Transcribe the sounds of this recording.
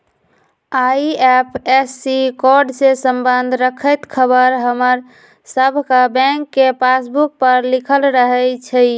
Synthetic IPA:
aiɛpʰesːikɔɾɖsesəmbənd̪ʱɾəkʰəjt̪kʰəbəɾɦəməɾ | səbʱkabɛ̃ŋkːepʰasbuk̚pəɾlikʰəlɾəɦət͡ʃʰəj

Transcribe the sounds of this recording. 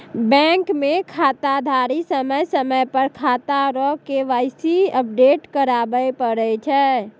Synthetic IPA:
bɛ̃ŋkmekʰat̪ad̪ʱaɾisəməjsəməjpəɾkʰat̪aɾɔkeʋajsiəp̚ɖeʈkəɾabəjpəɾɛt͡ʃʰɛ

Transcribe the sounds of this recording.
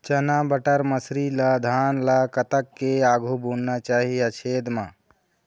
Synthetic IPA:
t͡ʃɐnabəʈəɾməsɾilad̪ʱaːnlakət̪əkːeaːɡʱubunnat͡ʃaːɦiat͡ʃʰeːd̪mãː

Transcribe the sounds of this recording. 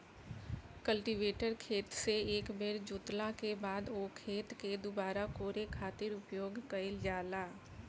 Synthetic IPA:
kəlʈiʋeːʈəɾkʰeːt̪seeːkbeɾd͡ʒʊːt̪lakebaːd̪oːkʰeːt̪ked̪ʊbaːɾakoːɾekʰaːt̪ɪɾʊpjoːɡkɐɪld͡ʒaːlaː

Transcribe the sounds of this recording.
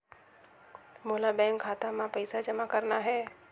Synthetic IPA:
moːlabɛ̃ːŋkʰaːt̪amãpəɪsad͡ʒəmakəɾnaɦɛː

